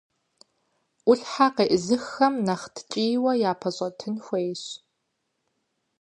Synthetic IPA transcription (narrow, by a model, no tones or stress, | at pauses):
ʔʷʊɬħaqeːʔzɨxɐmnɐχtʰt͡ʃʼiːwɐjaːpʰɐɕʼɐtʰɨnxʷeːjɕ